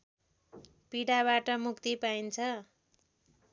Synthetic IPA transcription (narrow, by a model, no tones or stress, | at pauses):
piɽaβaʈʌmukt̪ipaint͡sʰʌ